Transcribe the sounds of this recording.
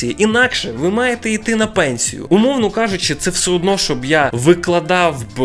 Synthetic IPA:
ijiʔinɑkʃɛʋɪmɑjet̪ɛijt̪ɪnɐpɛnʲsʲḭjʊ̰ʊmɔwnɔkɑʒʊt͡ʃɪt̪sɛwsɛɔd̪nɔʃt͡ʃɔbjaʋɪklˠɐd̪ɑwb

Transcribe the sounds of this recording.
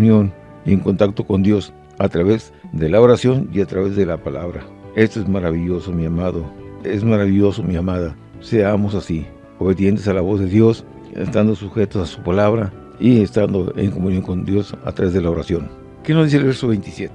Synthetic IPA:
njo̞n | ieŋkont̪ak̚t̪o̞ko̞nd̪jo̞s | at̪ɾaβe̞z | d̪e̞laoɾasjo̞niat̪ɾaβe̞zðe̞lapalaβɾa | e̞st̪oezmaɾaβiʎo̞so̞miamaðoezmaɾaβiʝo̞somiamaða | se̞amo̞sasi | o̞βe̞ðje̞nt̪esalaβo̞zðe̞ðjo̞s | ḛst̪and̪osuxe̞t̪osasu̥palaβɾa | iest̪and̪o̞ʔḛŋkomunjo̞ŋko̞nd̪jo̞sa̰t̪ɾaβe̞zðelaoɾasjo̞ŋ | kenozðiselβeɾsoβejnt̪isjet̪e̥

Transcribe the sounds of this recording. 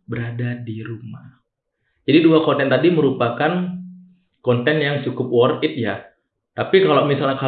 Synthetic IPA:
bəɾadadiɾumah | d͡ʒadiduakɔnt̪ɛnt̪adiməɾupakan | kɔnt̪ɛnjaŋt͡ʃukʊp̚wɔrɪt̪̚ja | t̪apikalomisalɲaka

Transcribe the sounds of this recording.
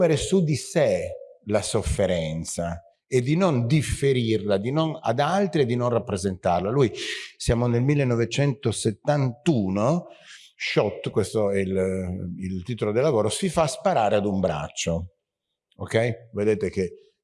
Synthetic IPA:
meɾesud̪iselasofːeɾɛnt̪sa | ed̪ːinond̪ifːeɾirlad̪inona̰d̪alt̪ɾied̪ːinonrapːɾezent̪arlalujsjaːmonelmilːenːɔvet͡ʃɛnt̪oset̪ːant̪uːno | ʃɔt̪ːkwest̪oɛlilt̪iːt̪olod̪elːavoːɾosifaspaɾaːɾead̪umbɾa̰t͡ʃːo | okːɛjved̪eːt̪ek̟e

